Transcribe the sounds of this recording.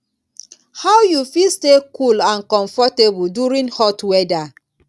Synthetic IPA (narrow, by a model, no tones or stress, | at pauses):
hawjufilstekulãnkɔ̃ɱfɔtebuduɹĩnhɔtwɛda